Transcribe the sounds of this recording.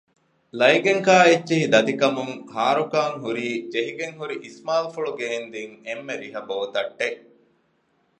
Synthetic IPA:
lɐjɡeŋkaːetːiɦid̪ɐd̪ikɐmuŋhaːɾukaːŋɦuɾiːd͡ʒeɦiɡeŋɦuɾiʔismaːlfuɭuɡeːnd̪iŋemːeɾiɦɐboːt̪ɐʈːeʔ

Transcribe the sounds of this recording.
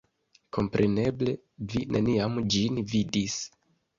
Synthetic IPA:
kʰo̞mpɾʔe̞ne̞ble̞ | vinʔe̞̰niamd͡ʒinvidis

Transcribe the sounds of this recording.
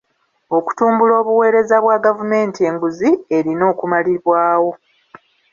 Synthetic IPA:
o̞ku̥tuːmbulo̞ːβuwe̞ːɾe̞zaβwaɡavume̞ːntie̞ŋɡuzie̞ɾino̞ːkumaliβwaːwo̞

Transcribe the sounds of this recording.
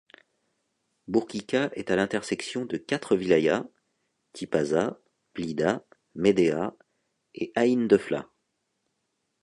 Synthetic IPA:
buʁkʲikʲaʔɛt̪alɛ̃t̪ɛʁsɛksjɔ̃d̪əkʲat̪χəvilaja | t̪ʰipaza | plid̪a | med̪ea | eʔaind̪əfla̰

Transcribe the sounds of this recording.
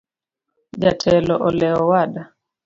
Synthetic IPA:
d͡ʒatʰɛlɔʔɔlɛɔwaɗa

